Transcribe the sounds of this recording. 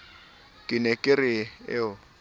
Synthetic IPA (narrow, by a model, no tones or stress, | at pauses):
kʼɪnɛkʼɪrɪɪʊ